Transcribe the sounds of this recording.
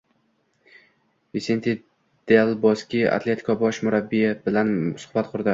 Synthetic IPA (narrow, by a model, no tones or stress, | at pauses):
visent̪ʰe | d̪̥elbɒskʲia̰t̪ʰle̞t̪ʰɪ̥kʰɒbɒʃmʊɾabːijab̥ɪlansʊ̥hbat̪qʰʊɾd̪ɪ